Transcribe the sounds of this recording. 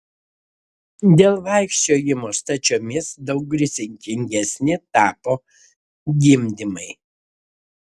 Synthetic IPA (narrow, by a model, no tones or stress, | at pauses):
d̪ʲeːlˠʋɐˑɪkʃʲt͡ʃʲoːjɪmoːst̪ɐt͡ʃʲoːmʲɪsd̪ɐʊɡ̚ɡɾʲɪsʲɪŋʲkʲɪŋʲɡʲɛsʲnʲɪt̪ɑːpoː | ɡʲɪmʲd̪ʲɪmɐɪ